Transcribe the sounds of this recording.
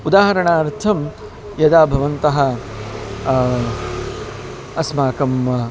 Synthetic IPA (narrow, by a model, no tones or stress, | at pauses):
ud̪aːɦɐɾɐɳaːɾt̪ʰɐm | jɐd̪aːbʱɐʋɐnt̪ɐɦɐ | ɐsmaːkɐm